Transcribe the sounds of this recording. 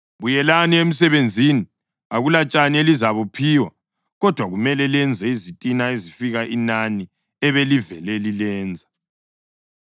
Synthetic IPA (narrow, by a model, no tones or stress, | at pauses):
βujɛlaniem̩s̬ɛβend͡zʱini | aɣulat͡ʃʼanielizaβupʰiwa | ɣɔd̥ʱwaɣumɛlɛlɛnd͡zʱɛizitʼinaezifiɣaʔinani | ɛβelivɛlɛlilɛːnd͡zʱa